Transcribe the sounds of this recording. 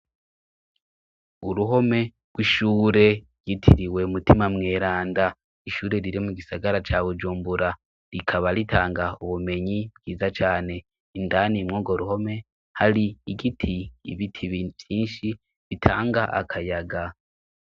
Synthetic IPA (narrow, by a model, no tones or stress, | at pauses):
uɾuɦo̞me̞ | ɡ̥wiʃuːɾe̞ɾjitʰiɾiwe̞mutimamŋe̞ːɾaːnda | iʃuːɾe̞ɾiɾimuɡisaɡaɾat͡ʃaβud͡ʒuːmbuɾa | ɾikʰaβaɾitʰaːŋɡauβume̞ɲibɡiːzat͡ʃaːne̞ | ndanimŋoːɡo̞ɾuho̞me̞ | haɾiːɡitʰḭːβitʰiβjiːnʃi | βitʰaːŋɡaʔa̰kʰajaɡa